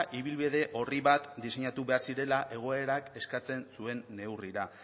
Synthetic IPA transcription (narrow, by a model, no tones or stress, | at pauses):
ʔiβ̞ilβið̞e̞ʔo̞riβat̪d̪ise̞ɲat̪uβe̞aɾsiɾe̞laʔe̞ɣ̞o̞e̞ɾake̞skat͡se̞nsue̞nːe̞wriɾa